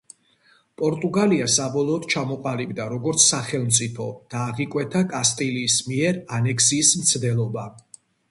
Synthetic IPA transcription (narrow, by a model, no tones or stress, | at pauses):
pʼɔɾt̪ʼuɡaliasabɔlˠɔːd̪̥t͡ʃʰamɔqʼalibd̪aɾɔɡɔɾt̪sʰsaχɛlˠmt̪sʼipʰɔd̪̥aːʁikʼwɛt̪ʰakʼast̪ʼiliːsmiɛɾanɛkʰsiːsmt̪sʰd̪ɛlˠɔba